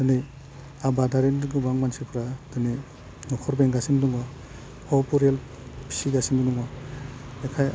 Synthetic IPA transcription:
d̥ɔni | abadaɾendɡɯbaŋmansipʰɾad̥ɯni | nɔkʰɔɾbeŋɡasinduŋwa | hɔwpuɾel | pʰi̥siɡasinuduŋwa | ekʰaj

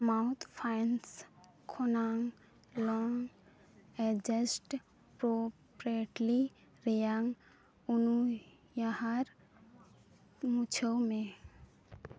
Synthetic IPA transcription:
maʊt̪ʰpʰajns | kʰonaŋ | lɔŋ | ɛd͡ʒəsʈ | pɾopɾiʈli | ɾejaŋ | unu | jahaɾ | mut͡ʃʰəwmẽ

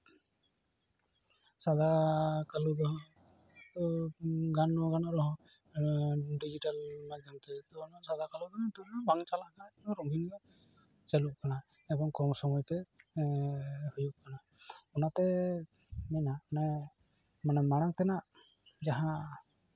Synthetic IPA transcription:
sad̪ʱakalud̪ɔɦɔ̃ | t̪ɔɡanːɔɡanɔʔɾɔɦɔ̃ | ɖid͡ʒiʈalmad͡ʒamt̪ɛt̪ɔːnɔʔsad̪ʱakalud̪ɔɦɔt̪ɔbaŋt͡ʃalaʔkanaɔɔɾɔŋɡʱinɔ | t͡ʃɛluʔkana | ɛbɔŋkɔmsɔmɔjt̪ɛ | hujup̚kana | ɔnat̪ɛ | mɛnanɛ | manɛmaɽaŋt̪ɛnaʔ | d͡ʒaɦã

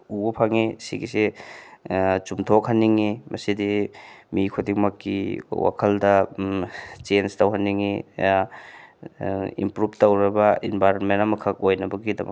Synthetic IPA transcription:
ubɐpʰaŋisḭɡise | t͡ʃumtʰokhɐnːiŋimʔɐsidimikʰodiŋmɐkːḭwa̰kʰɐldɐ | t͡ʃenstɐwɦɐnːiŋi | ḭmpɾub̚tɐwɾɐbɐinbʱajɾonmentamɐkʰɐk̚ojnɐbɐɡidɐ̰mɐ̰

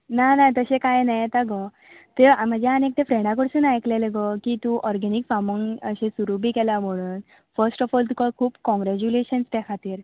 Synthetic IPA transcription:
nanat̪əɕekajnajet̪aɡɔ | t̪em̤əd͡ʑʱjaanek̚t̪efɾẽɖãk̬əɽsunajkleleɡɔkit̪ũʔɔɾɡɛnikfaməŋəɕẽsuɾubʱiːkɛlam̤əɽ̃uːn | fəɾsʈɔfɔːlt̪ukəkʰuːpkɔ̃ŋɡɾæt͡ɕuleɕənst̪akʰat̪iːɾ

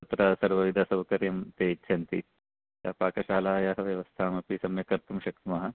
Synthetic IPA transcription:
sɐt̪ɾɐsɐɾʋɐʋid̪ʱasɐbkɐɾjɐmt̪eːtːʃʰɐnt̪i | jaːpaːkɐʃaːlaːjaːɦɐʋjɐʋɐst̪ʰaːmɐpisɐmjɐkɐɾt̪umʃɐk̚t̪imɐɦɐ

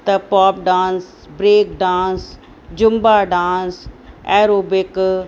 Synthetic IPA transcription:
t̪ɐpaːp̚ɖãːns | bɾeːkɖãːns | d͡ʑʊmbaːɖãːnsɛːɾoːbɪk

